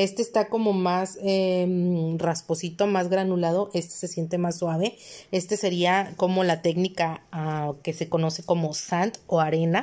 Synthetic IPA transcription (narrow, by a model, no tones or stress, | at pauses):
e̞st̪eːst̪ako̞mo̞masemraspo̞sit̪o̞mazɣɾanulað̞o̞ʔe̞st̪e̥se̞sje̞nt̪e̞masːwaβe̞e̞st̪e̞se̞ɾiako̞mo̞lat̪e̞knikaake̞se̞ko̞no̞se̞ko̞mo̞sant̪o̞aɾe̞na